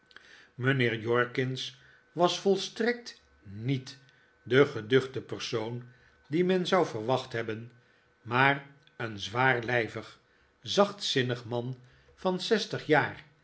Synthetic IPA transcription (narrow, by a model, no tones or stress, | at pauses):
mənɪːɹjɔɹkɪns | ʋɑsfɔlˠstrɛk̚t | nit | dəχədɵχdəpəɹsown | dimɛnzɑwvəɹʋɑχtɦɛbən | maːr | ənzʋaːɹlɛjvəχ | zɑχtsɪnəχmɑn | fɑnsɛstəχjaːr